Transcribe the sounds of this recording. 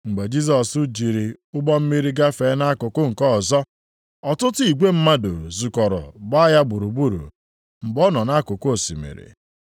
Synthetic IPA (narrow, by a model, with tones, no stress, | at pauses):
ŋ͡m̩˨ɡ͡be˨d͡ʒi˦s̬ɔ˨su˦d͡ʒi˨ɾi˨ʊ˦ɡ͡bɔ˦m̩˦mi˦ɾi˦ɡa˦fe˨˦na˦a˦kʊ˨kʊ˦ŋ̩˨kɔ˦˨zɔ˦ | ɔ˨tʊ˦tʊ˦i˨ɡʷe˦m̩˦ma˦do˨zu˨kɔ˨ɾɔ̰˨ba˦a˦ja˦ɡ͡bu˨ɾu˨bu˦ɾṵ˨ | m̩˨ɡ͡bɔ˦nɔ˨na˦kʊ˨ko˦˨sḭ˨mḛ˨ɾḭ˨